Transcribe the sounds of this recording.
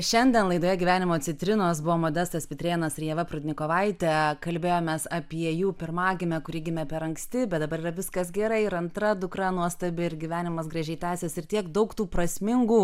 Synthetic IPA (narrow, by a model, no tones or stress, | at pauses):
ʃʲɛnʲd̪ʲɛnlˠɐɪd̪oːjɛɡʲiʋʲæːnʲɪmoːt͡s̪ʲɪt̪ʲɾʲɪnoːsbʊʋoːmoːd̪ʲɛst̪ɐspʲɪt̪ʲɾʲeːnɐsɪɾjɛʋɐpɾʊd̪ʲnʲɪkoːʋɐɪt̪ʲɛkɐlʲbʲeːjoːmʲɛːsɐpʲiɛjuːpʲɪɾmɑːɡʲɪmʲɛkʊɾʲiːɡʲɪmʲɛpʲɛɾɐŋksʲt̪ʲɪbʲɛt̪d̪ɐbɐɾiːɾɐʋʲɪskɐsɡʲɛɾɐɪɪɾɐnt̪ɾɐd̪ʊkɾɐnuɔst̪ɐbʲɪɪɾɡʲiʋʲæːnʲɪmɐsɡɾɐʒʲɛɪt̪ʲæːsʲɛːsɪrt̪ʲiɛkd̪ɐʊkt̪uːpɾɐsʲmʲɪŋɡuː